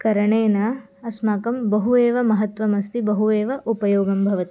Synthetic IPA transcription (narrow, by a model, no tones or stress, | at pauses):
kɐɾɐɳeːnɐ | ɐsmaːkɐmbɐɦueːʋɐmɐɦɐt̪ʋɐmɐst̪ibɐɦueːʋɐʔupɐjoːɡɐmbʱɐʋɐt̪i̥